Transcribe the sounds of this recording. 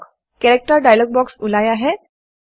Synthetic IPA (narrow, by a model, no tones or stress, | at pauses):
k | kɛɾek̚ʈəɾɖajlɔɡ̚bɔksulajaɦe